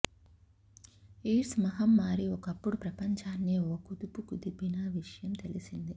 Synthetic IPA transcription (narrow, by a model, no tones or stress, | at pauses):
iːʈsmɐɦɐmːaːɾiɔkɐpːuɽupɾɐpɐɲt͡ʃaːnːiːokkud̪upukud̪ibinɐʋiʂɐjɐmt̪e̞lisind̪i